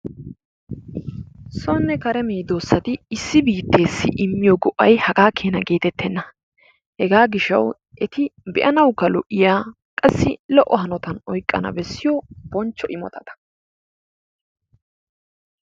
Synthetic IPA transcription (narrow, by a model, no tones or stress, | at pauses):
sɔnːɛkɐɾɛmɛjd̪oːsːɐt̪ɪɪsːɪbiːt̪ːe̞ːsːɪʔɪmːɪjɔɡɔʔːɐjhɐɡaːkʰeːnɐɡe̞ːt̪ɛt̪ʰːɛnːɐ | hɛɡaːɡɪʃːɐ̰w | ʔɛt̪ɪbɛʔɐnɐwkːɐlɔʔɪjaː | kʼɐsːɪlɔʔːɔɦɐnɔt̪ɐnɔjkʼːɐ̰nɐ̰bɛsːɪjɔb̥ɔnt͡ʃːɔʔɪmɔ̰t̪ɐd̪ɐ̥